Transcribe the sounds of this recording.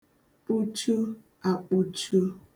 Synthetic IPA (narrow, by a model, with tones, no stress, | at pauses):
k͡pu˦t͡ʃu˦ | a˨k͡pu˦t͡ʃu˦